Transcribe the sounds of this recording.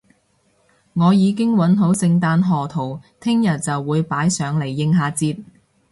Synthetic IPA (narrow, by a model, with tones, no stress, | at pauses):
ŋɔː˨˧jiː˨˧k̬ɪ˥ŋwɐ˨˥nɦo˨˥wsɪ˧ŋt̪aː˧nɦɔː˨t̪ʰo˨˩wt̪ʰɪ˥ŋjɐ˨˩t̚t͡sɐ˨wːuː˨˧jpaː˨˥jsœː˨˧ŋle˨˩jːɪ˧ŋɦaː˨˧t͡siː˧t̚